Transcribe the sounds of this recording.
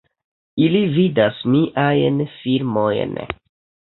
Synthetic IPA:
ilividasmiʔajnfiɾmo̞jn

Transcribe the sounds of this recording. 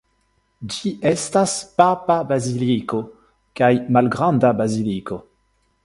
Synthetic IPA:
d͡ʒiʔestaspapabaziliko | kajmalɡʁandabaziliko

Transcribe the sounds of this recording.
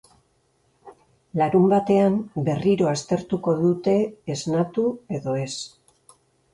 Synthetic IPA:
laɾumbat̪e̞ambe̞riɾo̞ast̪e̞ɾt̪uko̞ðut̪e̞ːznat̪ue̞ðo̞e̞s

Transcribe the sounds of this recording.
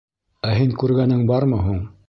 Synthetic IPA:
æɦiŋkʉɾɡænɘŋbɑɾmɤɦuɴ

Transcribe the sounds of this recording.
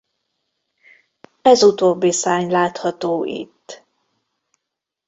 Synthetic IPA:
ɛzut̪oːbːisaːɲlaːt̪hɒt̪oːʔḭt̪ː

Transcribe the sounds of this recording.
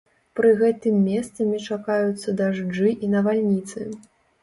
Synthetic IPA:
pɾɨɣɛt̪ɨmʲːɛst̪sɐmʲit͡ʂakajut̪sːɐd̪aʐd͡ʐɨʔinɐvalʲnʲit̪sɨ̰

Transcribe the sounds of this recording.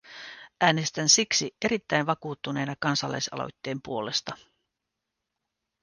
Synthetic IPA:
ʔæːne̞st̪ænsiksie̞ɾit̪ːæjnʋɑkuːt̪ːune̞ːnɑkɑnsɑlːɑ̰jsɑ̰lo̰jt̪ːe̞ːmpuo̞le̞st̪ɑ

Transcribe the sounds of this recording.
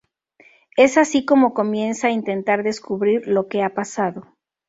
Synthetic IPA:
e̞sasiko̞mo̞ko̞mje̞nsaint̪e̞nt̪aɾðe̞skuβɾiɾlo̞ke̞apasaðo̞

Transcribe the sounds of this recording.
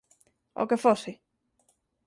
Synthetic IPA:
o̰kefosi

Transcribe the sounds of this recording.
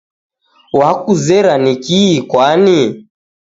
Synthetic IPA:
wakuzɛɾanikiːkwani

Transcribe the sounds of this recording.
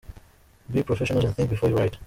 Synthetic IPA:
bipʰɹɔfɛʃɔ̃nəlˠzə̃nθɪ̃ŋkbɨfɔɹjuɹaɪt

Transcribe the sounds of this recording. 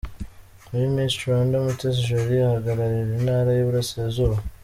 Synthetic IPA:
muɾimistondomutes̬iʒoɾiahaɡaɾaɾiɾinaːɾajoβuɾaseːzuɾa

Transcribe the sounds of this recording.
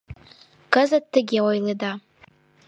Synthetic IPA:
kazad̚tʰːɨɡʲawajleda

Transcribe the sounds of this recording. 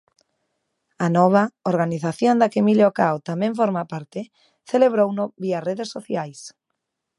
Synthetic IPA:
anɔβ̞aoɾɣaniθaθjond̪akemileokawt̪amẽɱfoɾmapaɾt̪e | θeleβ̞ɾownoβiareðesːoθjajs

